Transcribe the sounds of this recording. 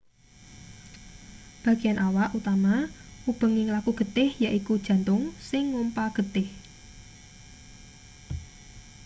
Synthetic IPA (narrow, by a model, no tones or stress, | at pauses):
b̥ä̤ɡ̥ijanʔawaʔut̪amaʔub̥ə̤ŋɪŋlakuɡ̥ə̤t̪ɪhjaʔikud̥ʒ̥ä̤nt̪ʊŋsɪŋːompaɡ̥ə̤t̪ɪh